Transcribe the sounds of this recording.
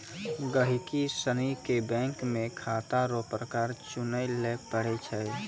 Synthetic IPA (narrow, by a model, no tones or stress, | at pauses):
ɡəɦɪkisənikebɛ̃ːŋkmẽkʰaːt̪aɾopɾəkaːɾt͡ʃʊnəjlepəɽ̤et͡ʃʰɛ